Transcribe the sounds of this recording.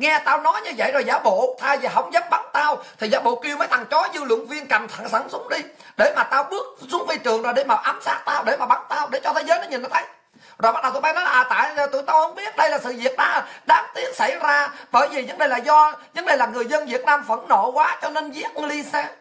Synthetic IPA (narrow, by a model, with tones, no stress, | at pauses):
ŋɛ˧t̪aː˧wnɔ˨˦jɲɨ˧və̰˧˨jzo˨˩jzaː˨˦wɓo̰˧˨t̪ʰaː˧jvi˨˩ɦə˧˩wŋ͡mzə˦˥p̚ɓa˨˦nt̪aː˧wt̪ʰi˨˩zaː˨˦wɓo̰˧˨ki˧əwməː˨˦jt̪ʰa˨˩ŋt͡ɕɔ˨˦zɨ˧lw̰ʊ̰˧˨əŋvi˧ənka˨˩ŋt̪ʰa˧˨ŋsa˧˩nsʊ˨˦ŋ͡m̚ɗi˧ɗe˧˩maː˨˩t̪aː˧wɓɨ˦˥ək̚sʊ˨˦˥ŋ͡mvi˧jt͡ɕɨ˨˩əŋzaː˨˩ɗe˧˩maː˨˩ʔaː˨˦msaː˦˥k̚t̪aː˧wɗe˧˩maː˨˩ɓa˨˦nt̪aː˧wɗe˧˩t͡ɕɔ˧t̪ʰe˨˦jzəː˨˦jnɔ˨˦ɲi˨˩nʔaː˨˩t̪ʰə˨˦j | zo˨˩jɓə˦˥ɗə˨wt̪ːa˨˦jnɔ˨˦laː˨ʔːt̪a̰ː˧˨jt̪ṵ˧˨jt̪aː˧whə˧wŋ͡mɓi˦˥ət̚ɗə˧jlaː˨˩sɨ̰˧˨vi˨˩ət̚ɗa̰ː˧˥ɗaː˨˦mt̪i˨˦˥ək̚sa˧˩jzaː˧ɓəː˧˩jvi˨˩zə˨˦ŋnɗə˨˩jlaː˨˩zɔ˧zə˨˦nɗə˨˩jlaː˨˩ŋɨ˨˩əjzə˧nvi˨˩ət̚naː˧mvə̰˧˩nːo˧˨kwaː˨˦t͡ɕɔ˧ne˧nzi˦˥ət̚li˧sɛː˧